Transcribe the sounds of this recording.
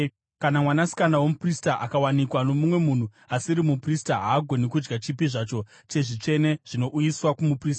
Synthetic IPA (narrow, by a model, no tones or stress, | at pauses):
kanamwanasi̥kanawomupristaʔakawanikwano̞mumwe̞mun̤u | asiɾimupristaɦaːɡʱo̞nekud͡ʒɡat͡ʃipiʐat͡ʃo̞ | t͡ʃe̞ʐit͡ʂe̞ne̞ʐ̥ino̞ʔujiswakumupriːsta